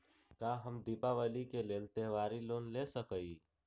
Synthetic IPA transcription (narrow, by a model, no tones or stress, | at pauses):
kãɦəmd̪ipaʋəlikeleːlt̪eʋaːɾiloːnlesəkəi